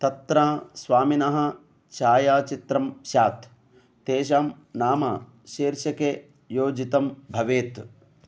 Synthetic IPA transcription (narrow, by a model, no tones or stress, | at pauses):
t̪ɐt̪ɾaːsʋaːminɐɦɐ̆ | t͡ʃaːjaːt͡ʃit̪ɾɐmʃaːt̪ | t̪eːʃ̬aːm | naːmɐ̰ | ʃeːɾʃɐke | joːd͡ʒit̪ɐmbʱɐʋeːt̪